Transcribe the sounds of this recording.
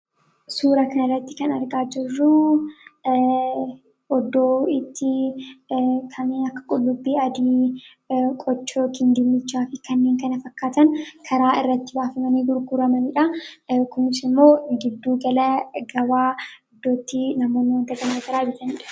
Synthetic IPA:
suːɾɐkɐnɐrːɐt̪ːɪkɐnɐɾɡaːd͡ʒɪrːʊ | ɔd̪oːɪt̪ːɪ | kʰɐnːeːnɐkːɐ̥kʼʊlːʊbːiːɐd̪iː | kʼɔt͡ʃːoːkɪnd̪ɪmːɪt͡ʃːaːfɪkɐnːeːŋkɐnɐfɐkːaːt̪ɐnkʰɐɾaːɪrːɐt̪ːɪbaːfɐmɐniːɡʊɾɡʊɾɐmɐnɪᶑɐkʊmɪsɪmːo̞ːɡɪd̪ːuːɡɐlɐɡɐwaːɔd̪ːoːt̪ːɪnɐmo̞ːnːɪwɐnd̪ɐɡɐmɐt̪ɐɾaːd͡ʒɪt̪ɐniːᶑɐ̥

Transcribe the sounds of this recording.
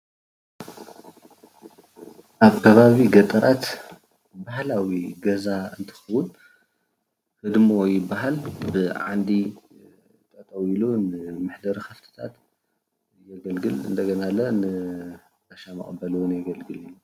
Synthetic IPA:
ʔaβkʰɐβaβiɡɐt̪ʼɨɾat̪ | bahlawiɡɐzaɨnt̪ʰɨ̥xɨwʊn | hɨd̪mojɪbaɦalbɨʕa̰nd̪i | t̪ʼɐt̪ʼɐwilunɨmɨħd̪ɐɾixɐft̪ʰɨ̥t̪ʰa̰t̪ | jɐɡɐlɡɨlɨ̰nd̪ɐɡɐnalːɐnɨ | t̪ɐʃamɨ̰χʼɐbːɐlɨwunjɛɡɐlɡɨli

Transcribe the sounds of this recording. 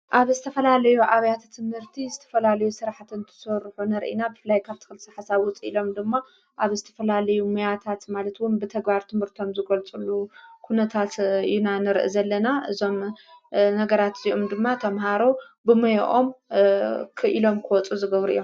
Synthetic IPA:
ʔaβzɨt̪ʰɐfɐlalɐjuʔaβɐjat̪ʰt̪ʰɨmhɨɾt̪ʰizɨt̪ʰɐfɐlalɐjusɨɾaħt̪ɨnt̪ʰɨ̥sɐɾħunɐɾʔḭnabɨfɨlːajkʰaβt̪ʰɨ̥xɨlsiħasaβwʊt͡sʼilo̞md̪ɨmːa | ʔaβzɨt̪ʰɐ̥fɐlalɐjumujat̪ʰat̪malɐt̪wʊnbɨt̪ʰɐɡbaɾt̪ʰɨmhɨɾt̪ʰo̞mzɨɡɐlt͡sʼulːukʰunɐt̪ʰat̪inanɨɾʔɨ̰zɐlːɐnaʔɨzo̞m | nɐɡɐɾat̪ziʔo̞md̪ɨmːat̪ʰɐmɦaɾo | bɨmɐj̰ʔom | kʰɨʔilo̞mkʰɨwɔt͡sʼuzɨɡɐβɾijom

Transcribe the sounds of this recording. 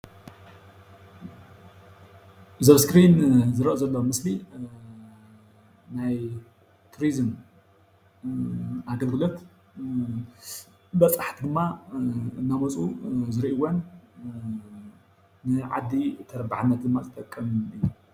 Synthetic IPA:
zɐβskɾinzɨɾɐʔozɐlːomɨsli | naj | t̪ʰuɾizɨm | aɡɐlɡɨlo̞t̪ | bɐt͡sʼaħt̪ʰid̪ɨmːaɨnːamɐt͡sʼuzɨɾiʔiwon | nɨʕa̰d̪ːit̪ʰɐɾɐbaʕnːɐt̪̚d̪ɨmːazɨt̪ʼɐkʼːɐmɨjːu

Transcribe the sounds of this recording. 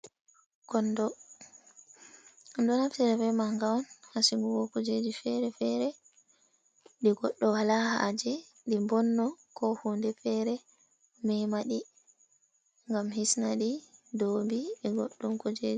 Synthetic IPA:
kɔndɔ | mdɔnaftiɾɛvɛmaŋɡawɔnhasiŋɡuwɔkɔd͡ʒed͡ʒifɛɾɛfɛɾɛ | ɗiɡɔɗːɔwalaha̰d͡ʒɛ | ɗimbɔnːɔkʰɔhundɛfɛɾɛ | mɛjmaɗi | ŋɡamhisnaɗidoːmbiɗiɡɔɗːumkɔd͡ʒeːd͡ʒi

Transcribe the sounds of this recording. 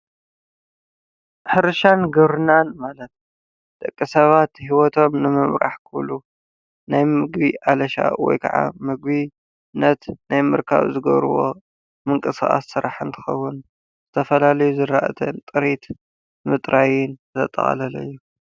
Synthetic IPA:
ħɨɾɨʃanɡɐβɾɨnanmalɐt̪̚ | d̪ʼɐkʼːisɐβat̪hiwɔt̪ʰo̞mnɨmɨmɾʔa̰ħkʰɨβlu | najmɨɡbiʔalɐʃa̰wɔ̰jkʰa̰ʕa̰mɨɡ̚βi | nɐt̪najmɨɾkʰa̰βzɨɡɐ̰βɾɨ̰βo̞̰ | mɨŋkʼɨsaxʼa̰sːɨɾa̰ħɨnt̪ʰɨ̥xɐ̰wːʊn | zɨt̪ʰɐfɐlalɐjuzɨɾaʔɐt̪ʰɐnt̪ʼɨɾit̪ | mɨt̪ʼɾʔajɪnt̪ʰɐt̪ʼɐ̰χʼxʼɐ̰lɐlɐ̰jːu

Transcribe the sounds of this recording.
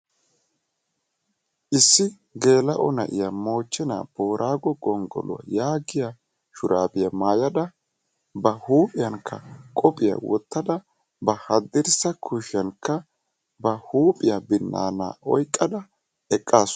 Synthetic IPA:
ʔɪsːɪ | ɡe̞ːlɐʔɔ̰nɐʔɪ̰jamo̞ːt͡ʃːɪna̰ːb̥o̞ːɾʔaːɡɔɡɔŋɡɔ̰lʊ̰ɐ̰jaːɡɪja | ʃʊɾaːbɪjɐmaːjɐd̪ɐ | bɐhuːpʼɪjɐŋkʰːɐ̰kʼɔpʼɪjɐ̰wɔ̰t̪ːɐd̪ɐ | bɐhɐd̪ːɪɾsɐkʰʊʃɐnkːɐ | bɐhuːpʼɪjabɪnːa̰ːna̰ːʔɔjkʼːɐd̪ɐ | ɛkʼːaːs

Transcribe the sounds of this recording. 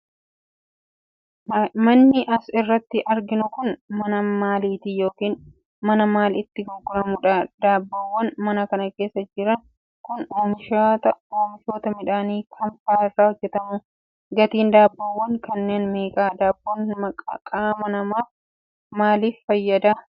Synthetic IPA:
mɐnːɪʔɐsɪrːɐt̪ːɪʔɐɾɡɪnʊkʊnmɐnɐmaːliːt̪ijo̞ːkiːn | mɐnɐmaːlɪt̪ːɪɡɔɡːʊɾɐmʊᶑɐd̪̥aːbːowːɐnmɐnɐkɐnɐke̞ːsːɐd͡ʒɪɾɐŋ | kʊnoːmɪʃat̪ɐoːmɪfo̞ːt̪ɐmɪᶑaːniːkʰɐmfaːɪrːaːhɔd͡ʒːɛt̪ɐmʊ | ɡɐt̪iːnd̪aːbːɐwːɐŋkɐnːe̞ːnmeːkʼaːd̪aːbːoːnmɐkʼɐkʼaːmɐnɐmaːf | maːliːfːɐjːɐd̪aː

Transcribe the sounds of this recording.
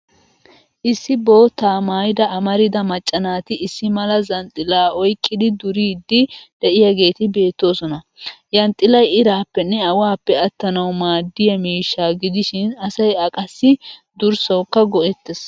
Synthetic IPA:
ʔɪsːɪbo̞ːt̪ːaːmaːjd̪ɐɐmɐɾɪd̪ɐmɐt͡ʃʼːɐnaːt̪ɪʔɪsːɪmɐlɐzɐnt̪ʼɪlaːɔjkʼːɪd̪ɪd̪ʊɾiːd̪ːɪd̪̥ɛʔɪjɐɡe̞ːt̪ɪbe̞ːt̪ːo̞ːsɔnɐ | jɐnt̪ʼɪlɐjɪɾaːpːɛnːɛɐwaːpːɛɐt̪ːɐnɐwmaːd̪ːɪjɐmiːʃːaːɡɪd̪ɪʃɪnɐsɐjɐkʼɐsːɪ | d̪ʊɾsɐwkːɐɡɔʔɛt̪ːɛs

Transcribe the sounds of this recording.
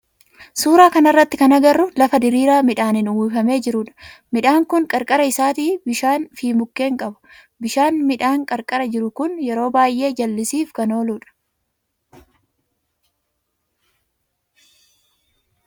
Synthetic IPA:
suːɾaːkɐnɐrːɐt̪ːɪkɐnɐɡɐrːʊlɐfɐd̪ɪɾiːɾaːmɪᶑaːnɪnʊwɪfɐme̞ːd͡ʒɪɾʊᶑɐ̥mɪᶑaːŋkʊŋkʼɐɾkʼɐɾɐɪsaːt̪iːbɪʃaːnfiːmʊkːe̞ːŋkʼɐbʊ̥ | bɪʃaːnmɪᶑaːŋkʼɐɾkʼɐɾɐd͡ʒɪɾʊkʊnjɛɾo̞ːbaːjʔe̞ːd͡ʒɐlːɪsiːfkɐno̞ːluːᶑɐ̥

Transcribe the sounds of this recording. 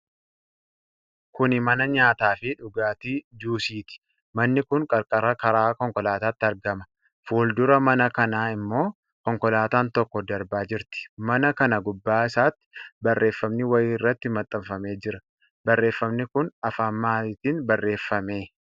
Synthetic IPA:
kʊnɪmɐnɐɲaːt̪aːfɪᶑʊɡaːt̪iːd͡ʒuːsiːt̪ɪ̥ | mɐnːɪkʊŋkʼɐɾkʼɐɾɐkɐɾaːkɔŋkɔlaːt̪aːt̪ːɪɐɾɡɐmɐ̥ | fuːld̪ʊɾɐmɐnɐkɐnaːɪmːo̞ː | kɔŋkɔlaːt̪aːnt̪ɔkːɔd̪ɐɾbaːd͡ʒɪɾt̪ɪ̥mɐnɐkɐnɐɡʊbːaːɪsaːt̪ːɪ̥bɐrːe̞ːfːɐmnɪwɐjiːɪrːɐt̪ːɪmɐt̪ʼːɐmfɐme̞ːd͡ʒɪɾɐ | bɐrːe̞ːfːɐmnɪkʊnɐfaːmːaːt̪iːnbɐrːe̞ːfːɐme̞ː

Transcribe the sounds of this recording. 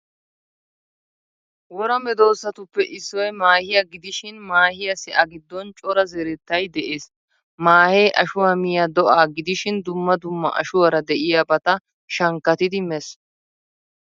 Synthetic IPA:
wɔɾɐmɛd̪o̞ːsːɐt̪ʊpːɛʔɪsːɔjmaːhɪjɐɡɪd̪ɪʃɪnmaːhɪjɐsɪʔɐɡɪd̪ːɔnt͡ʃʼɔɾɐzɛɾɛt̪ːɐjd̪ɛʔeːs | maːhejʔɐʃʊwamɪjɐd̪ɔʔaːɡɪd̪ɪʃɪnd̪ʊmːɐd̪ʊmːɐ̰ʔɐ̰ʃʊwɐɾɐd̪ɛʔɪjabɐt̪ɐ | ʃɐŋkːɐt̪ɪd̪ɪmɛs

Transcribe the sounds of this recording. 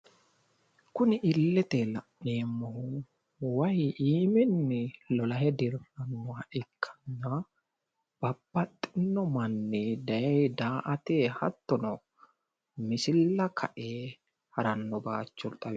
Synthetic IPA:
kʊnɪʔɪlːɛt̪ɛlɐʔːeːmːɔhʊ | wɐjiːmɪnːɪlɔlɐhɛd̪ɪɾɐnːɔhɐʔɪkʰːɐ̥nːɐ | b̥ɐbːɐt̪ʼːɪnːɔmɐnːɪd̪ɐjɛjd̪aːʔɐt̪eːhɐt̪ːɔnɔ | mɪsɪlːɐkʰɐ̰ʔeː | hɐɾɐnːɔbaːt͡ʃːɔlt̪ʼɐw

